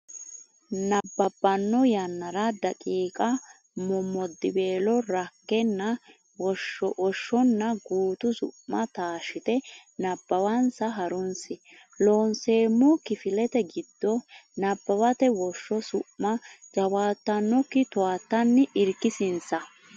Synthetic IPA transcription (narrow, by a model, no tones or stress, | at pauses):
nɐbːɐbːɐnːɔjɐnːɐɾɐd̪ɐkʼiːkʼɐ | mɔmːɔd̪ːɪbe̞ːlɔɾɐkːɛnːɐ | wɔʃːɔʔɔʃːɔnːɐɡuːt̪ʊsʊ̰ʔːɐt̪aːʃɪt̪ɛnɐbːɐwɐnsɐɦɐɾʊnsɪ | loːnseːmːɔkɪfɪlɛt̪ɛɡɪd̪̥ːɔnɐbːɐwɐt̪ɛwɔʃːɔsʊʔmɐzɐwaːt̪ːɐnːɔkːɪt̪ʊwaːt̪ːɐnːɪɪɾkːɪsɪnsɐ